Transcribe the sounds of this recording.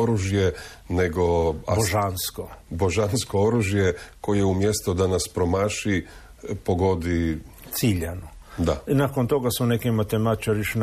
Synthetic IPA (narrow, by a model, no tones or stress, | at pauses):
oɾuʒje | neɡoaboʒanskoboʒanskooɾuʒjeko̞jeumjest̪ud̪anaspɾomaʃi | poɡo̞d̪it̪siʎanud̪anakont̪oɡasunekimat̪emat̪t͡ʃaɾiʃn